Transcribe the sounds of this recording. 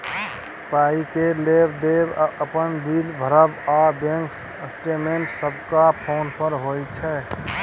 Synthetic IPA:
paikelebd̪ebəpənbilbʱəɾəbabẽŋks | əsʈemeɳʈsəbkapʰonpəɾɦojt͡ʃʰɛ

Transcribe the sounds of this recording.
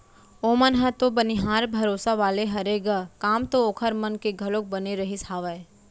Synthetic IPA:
oːmənɦət̪obəniɦaːɾbʱɐɾoːsaʋaːleɦɐɾeːɡakaːmt̪ooːkʰəɾmɐnkeɡʱɐlõk̚bɐneɾɐɦisaːʋəe

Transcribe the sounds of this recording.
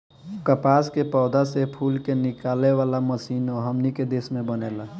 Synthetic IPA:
kəpaskepɔːd̪ʱasepʰuːlkenɪkaleʋaːlaməsiːnɔɦəmniked̪esmẽbənela

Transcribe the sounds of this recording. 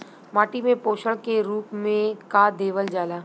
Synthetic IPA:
maːʈimẽpoːʃəɭkeɾuːpmẽkad̪eːʋəld͡ʒaːlaː

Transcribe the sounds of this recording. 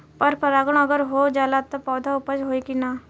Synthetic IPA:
pəɾpəɾaːɡəɽ̃əɡəɾɦoːd͡ʒaːlat̪opɔːd̪ʱaʊpət͡ʃɦoːikinaː

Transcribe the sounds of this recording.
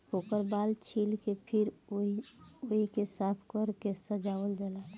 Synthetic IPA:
okəɾbalt͡ʃʰilkepʰiɾioɦikesapʰkəɾkesəd͡ʒaəld͡ʒala

